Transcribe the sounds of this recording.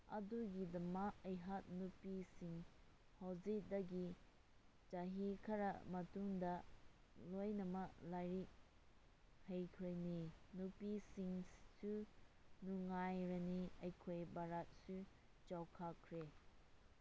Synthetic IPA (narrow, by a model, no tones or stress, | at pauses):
ɐ̰duɡidɐmakɐjɦat̚nupisiŋ | hawzidɐɡi | d͡ʒaɦikʰɐɾɐ̰mɐtuŋdɐ | lojnɐmɐklajɾi | hejkʰojninupisiŋsunuŋajɾɐniɐjkʰojbaɾat̚su | t͡ʃawkʰakʰɾe